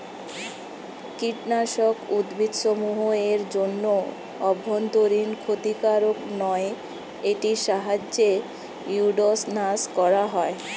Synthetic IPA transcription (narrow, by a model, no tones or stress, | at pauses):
kiʈnaʃokud̪bʱid̪ʃomuɦoeɾd͡ʑonːo | ɔbʱːont̪oɾinkʰot̪ikaɾoknɔe | eʈiʃaɦad͡ʑːe | juɖosnaskɔɾaɦɔe